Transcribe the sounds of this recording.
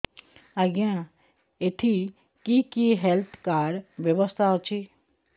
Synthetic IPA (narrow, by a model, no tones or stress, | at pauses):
aɡjã | eʈʰi | kikiɦelt̪ʰkaːɽʋjəʋəst̪ʰaɦot͡ʃʰi